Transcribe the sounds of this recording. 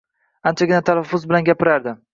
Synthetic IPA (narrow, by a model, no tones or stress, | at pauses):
ant͡ʃʰaɡʲɪnat̪ʰalafːʊzbɪlanɡʲapɪɾaɾd̪ɪ